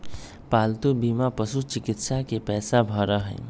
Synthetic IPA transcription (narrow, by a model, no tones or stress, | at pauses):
palt̪ubimapəsut͡ʃikit̪sakepɛsabʱəɾəɦə̰ɪ